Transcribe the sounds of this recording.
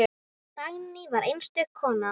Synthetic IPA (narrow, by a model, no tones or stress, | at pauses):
t̪aɣnivaɾʔejnst̪ʏkʰːɔːna